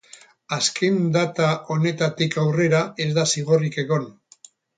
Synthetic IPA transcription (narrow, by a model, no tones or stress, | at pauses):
askʰe̞nd̪at̪aʔo̞ne̞t̪at̪ikawre̞ɾae̞zd̪asiɣo̞rike̞ɣo̞n